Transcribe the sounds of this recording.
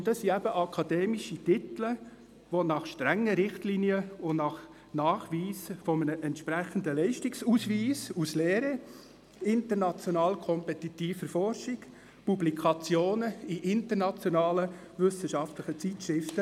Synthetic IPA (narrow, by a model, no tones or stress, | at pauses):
ʊntdɑsːiɛb̥əʔɑkʰɑd̥̪ɛːmiʃitɪt̪lə | ʋonɑχʃtɾɛŋːəɾɪχt̪liːniəʊnɑχ | nɑːχʋiːsfɔmənəʔɛntʃpɾæχənd̪əlɛɪʃtɪksusʋiːsusleːɾə | ɪnt̪əɾnɑt͡sjɔnɑːlkʰɔmpɛt̪it̪iːfəɾfɔɾʃik | publikʰɑt͡sjoːnəiʔɪnt̪əɾnɑt͡sjɔnɑːlə | ʋʏsəʃɑft̪lɪχət͡sitʃɾɪftə